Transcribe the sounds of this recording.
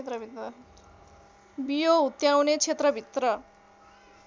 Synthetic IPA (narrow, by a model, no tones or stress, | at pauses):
t̪rʌbʱit̪ʌ | bijoɦut̪jawnet͡sʰet̪rʌbʱit̪rʌ